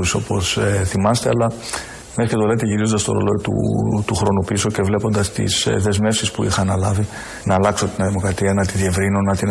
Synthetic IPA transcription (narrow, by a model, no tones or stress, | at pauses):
uso̞po̞seθimɐst̪e̞ɐlɐ | mesɐcet̪o̞le̞t̪e̞ʝiɾizond̪ɐst̪oɾo̞̰lot̪ṵt̪uxɾo̞nupiso̞ce̞vle̞po̞nd̪ɐst̪ḭsðe̞zme̞fsispuixɐːnɐlɐvi | nɐːlɐkso̞t̪inɐðimo̞kɾɐt̪iɐnɐt̪iðie̞vɾinonɐt̪in